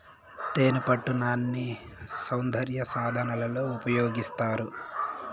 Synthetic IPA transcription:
t̪e̞ːnupɐʈːunaːnːisɐwnd̪ʱɐɾjɐsaːd̪ʱɐnɐlɐlo̞ːupɐjo̞ːɡist̪aːɾu

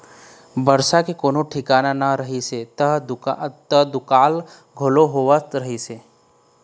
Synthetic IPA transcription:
bəɾsakekoːnoʈʰɪkaːnanaɾəɦiset̪əɦd̪t̪əd̪ʊkaːl | ɡʱoloɦoʋəst̪ɾəɦise

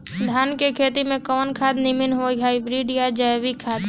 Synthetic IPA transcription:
d̪ʱaːnkekʰeːt̪imẽkɔːnkʰaːd̪nimɪnɦoɡaːibɾiɖijad͡ʒəjʋikʰaːt̪

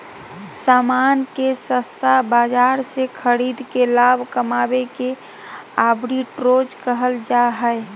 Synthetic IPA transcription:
samankesə̃st̪ʰabad͡ʒaɾsekʰəɽid̪kelabʱkəmabeke | abɾiʈɾod͡ʒkəɦəld͡ʒaɦəe

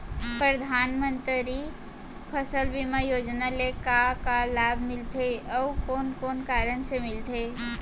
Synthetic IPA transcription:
pɾəd̪ʱanmənt̪ɾi | pʰəsəlbimajod͡ʒnalekakalabʱmilt̪ʰeəukonkonkaɾənsemilt̪ʰe

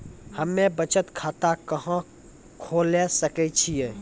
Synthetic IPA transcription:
hɐmːẽbət͡ʃət̪kʰaːt̪akɐɦã | kʰoːlesəkɛt͡ʃʰieː

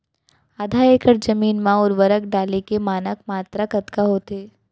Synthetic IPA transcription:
aːd̪ʱaeːkəɾd͡ʒɐmiːnmãɔːɾʋɐɾəkɖaːlekemaːnəkmaːt̪ɾakɐt̪kaɦoːt̪eː

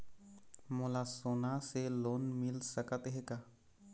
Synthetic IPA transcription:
mulasonaselonmilsəkət̪ɦeka

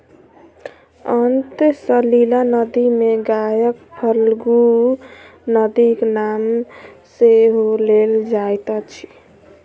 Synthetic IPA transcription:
ənt̪səlilanəd̪imeɡajəkhʰəlɡu | nəd̪iknamseɦoleld͡ʒajt̪at͡ʃʰi̥

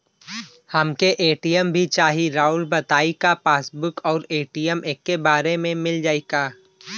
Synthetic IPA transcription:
hɐmkeʔeːʈijəmbʱit͡ʃaːɦiɾaːʊlbɐt̪aːikapaːsbʊkɔːɾeːʈijəmʔeːkːebaːɾemẽmɪld͡ʒaːikaː

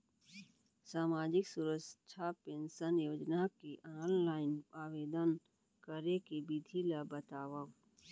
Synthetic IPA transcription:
saːmaːd͡ʒɪksuɾət͡ʃʰapɪnsənjoːd͡ʒnakiʔaːnlaːɪnaːʋeːd̪ən | kəɾekibid̪ʱilabət̪aːwə

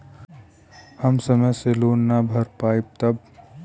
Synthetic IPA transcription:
hɐmsɐməjseloːnːabʱɐɾpaːib̚t̪ɐb̚

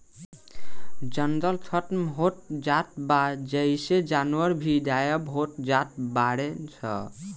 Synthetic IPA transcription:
d͡ʒənd̪əlt̪ʰʌʈmɦoʈ̚d͡ʒat̪̚bad͡ʒəjsed͡ʒanuəɾbʱidajəbɦoʈ̚d͡ʒat̪̚ʰbaɽet͡ʃʰʌ̰

